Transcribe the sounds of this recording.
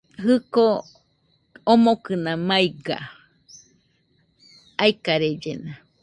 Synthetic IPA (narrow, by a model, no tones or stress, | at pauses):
ɦɨko | omokɨnãmaiɡa̰ | aikaɾed͡ʒena